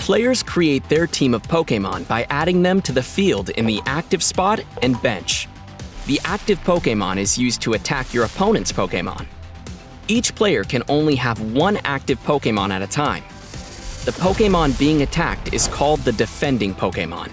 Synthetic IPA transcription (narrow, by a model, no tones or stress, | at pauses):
pʰl̥eɪə˞z̥kʰɹ̥ieɪt̪̚ðə˞tʰĩmʌv̥pʰoʊkẽɪmɑ̰̃nbaɪʔæɾɪ̃ŋðɨ̃mtʰɨðɨfilˠdɪ̰̃nðiʔæk̚tɨv̥spɑɾɨ̃nbɛ̰̃nt͡ʃ | ðiʔæk̚tɨv̥pʰoʊkẽɪmɑ̰̃nɨzjʉztʰɨɨtʰækʰjə˞ɨpʰõʊ̃nɨ̃ntspʰoʊkeɪ̃mɑ̰̃n | it͡ʃpʰl̥eɪə˞kʰɨ̃nʔõʊ̃nliəvwʌ̃næ̰k̚tɨv̥pʰoʊkeɪmɑ̰̃nɨɾɨtʰãɪ̃m | ðɨpʰoʊkeɪmɑ̃nbiɪ̃ŋɨtʰæ̰k̚tɨ̰z̥kʰɔlˠd̪̚ðɨdɨfɛ̃ndɪ̃ŋpʰoʊkeɪmɑ̰̃n